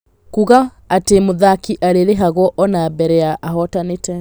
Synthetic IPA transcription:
kuɣa | atemoðakiʔaɾeɾeɦaɣwɔʔɔnabɛɾɛaʔaɦɔtanetɛ

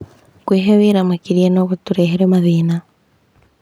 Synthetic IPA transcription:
kweːɦeβiːɾamakiɾienoɣutuɾeɦeɾemaðiːna

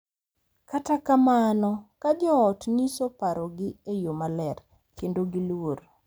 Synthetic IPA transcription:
katakamanɔkad͡ʒɔɔtnisopaɾɔɡɪejomalɛr | kʰendoɡilwoɾ

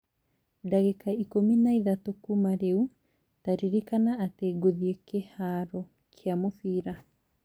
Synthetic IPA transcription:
daɣekaikominaiðatokumaɾeu | taɾiɾikanaːteɡoðiekehaɾɔ | kʰeamofiːɾa

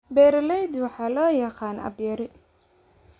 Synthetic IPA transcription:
bɛːɾlɛjd̪wɑħɑːlɔːjɑqɑːnɐ̰bjɐɾɪ

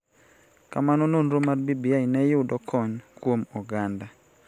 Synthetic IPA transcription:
kamanononɾomarbibijainɛjʊdɔkʰɔɲkwomɔɡanda

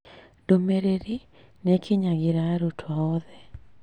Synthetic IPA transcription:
domeɾeɾi | nekʰɪɲaɡɪɾaɾotʰwaɔðɛ

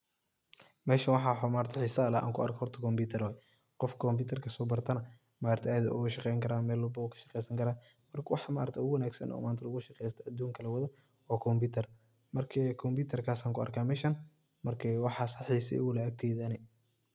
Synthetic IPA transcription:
mɛːʃɐwɑħɑːħɔmaːɾt̪ʰɐħɪsɐlɐʔa̰ːŋkʰʊɐ̰rkʰɔhɔrt̪ʰɐkʰɔmbiːt̪ʰɐɾwaː | qɔfkʰɔmbiːt̪ʰɐrkʰɐsɔːbɐrt̪ʰɐnɐ | maːɾɐrt̪ʰɛaːdɐʔʊ̰ɣɐʃɑqɛjŋkʰɐɾaːmɛːlːʊbɐʊkʰɐ̥ʃɐ̥qɛjsɐŋkʰɐɾaː | mɐrkʰɐwɑħɑma̰ːɾɐrt̪ʰɛʊɣʊwɐnaːɡsɐ̰nʔɔ̰ːmaːnt̪ʰɐlʊɣʊʃɐqɛjst̪ʰɐʔɐd̪ːuːŋkʰɐlɐwɐðɔ | ɔːkʰɔmbiːt̪ʰɐr | mɐrkʰɛkʰɔmbiːt̪ʰɛrkʰaːsaːŋkʰʊɐ̰rkʰaːmɛːʃɐn | mɐrkʰɛwɑħɑsɐħiːsɛ̰ʊʊlɛɐk̚t̪ʰɛːðɐnɛ

